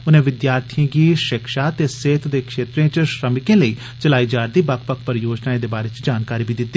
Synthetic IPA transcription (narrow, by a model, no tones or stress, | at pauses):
ʊnẽːʋɪd̪jaːɾt̪ʰijãːɡiːʃɪkʃaːt̪eːseːt̪d̪eːkʃeːt̪ɾiẽːt͡ʃʃɾəmɪkẽːləiː | t͡ʃəlaːid͡ʒaːɾd̪iːbakpəkʰpəɾjoːd͡ʒnaːed̪eːbaːɾeːt͡ʃd͡ʒaːnkaːɾiːbiːd̪ɪt̪ːiː